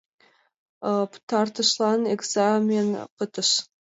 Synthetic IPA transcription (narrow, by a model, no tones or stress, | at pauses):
t̪ʰɑɾt̪əʃlˠɑneɡz̥amʲenqət̪əʃ